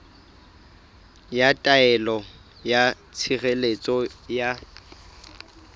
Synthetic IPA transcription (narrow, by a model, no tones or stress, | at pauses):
jatʼaɛlɔ | ja | t͡sʰiɣelet͡sʼɔja